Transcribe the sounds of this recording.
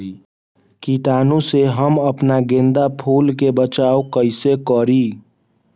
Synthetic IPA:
kiːʈaːnũseɦəməpnaɡẽːnd̪apʰuːlkebət͡ʃaːokəɪsekɔɾiː

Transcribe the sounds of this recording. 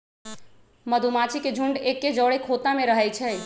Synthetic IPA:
məd̪ʱumat͡ʃʰiked͡ʒʱuɳɖekːed͡ʒəɽekʰot̪ameɾəɦɛt͡ʃʰɛj

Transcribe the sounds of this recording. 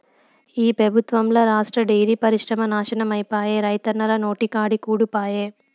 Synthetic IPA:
iːpɾɐbʱut̪ʋɐmloːɾaːʂʈɾɐɖejɾipɐɾiʂɾɐmɐnaːʃɐnɐmɐjpaːjeːɾɐjt̪ɐnɐɾɐno̞ːʈikaːɽikuːɽupaːjeː

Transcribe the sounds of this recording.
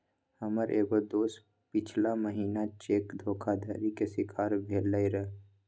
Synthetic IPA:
həməɾʔeːɡod̪oːs | pɪt͡ʃʰlaməɦiːnat͡ʃeːkd̪ʱoːkʰad̪ʱəɾikesɪkʰaːɾbʱeːlːaiɾəɦ

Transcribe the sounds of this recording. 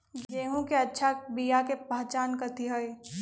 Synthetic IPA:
ɡɡeːɦõkeɐtːʃʰabijakepaːt͡ʃaːnkɐt̪iɦoi

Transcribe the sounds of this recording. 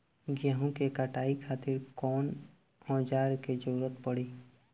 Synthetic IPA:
ɡjaɦõkekaʈaːikʰaːt̪ɪɾkɔːn | ɔ̃ːd͡ʒaːɾked͡ʒəɾuɾət̪pəɽiː

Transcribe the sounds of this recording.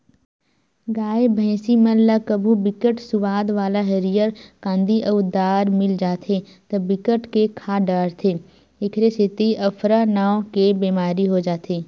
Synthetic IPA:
ɡaːebʱɛ̃ːsiməlɐkəbʱubɪkəʈsʊʋaːd̪ʋaːlaɦeɾijəɾkãːnd̪ʱiʔɐʊd̪aːɾmɪld͡ʒaːt̪ʰe | t̪ɐbɪkəʈkekʰaːɖaːɾt̪ʰeː | ɪkʰɾeset̪iʔɐpʰɾanaːõkebeːmaːɾiɦod͡ʒaːt̪ʰeː

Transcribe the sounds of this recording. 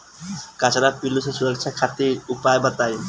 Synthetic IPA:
kat͡ʃʰanapilːusesuɾəkt͡ʃʰakʰat̪iɾupajbat̪aji

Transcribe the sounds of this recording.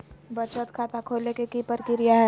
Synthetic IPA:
bət͡ʃət̪kʰaːt̪akʰoːlekekipəɾkɪɾijaɦɛ

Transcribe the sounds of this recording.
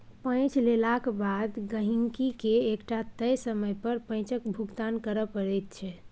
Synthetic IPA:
pə̃t͡ʃlelakbad̪ɡəɦiŋkikeːkʈat̪əjsəməjpəɾpə̃j̃t͡ʃəkbʱuɡt̪ankəɾəpəɽɛjt̪t͡ʃʰɛ

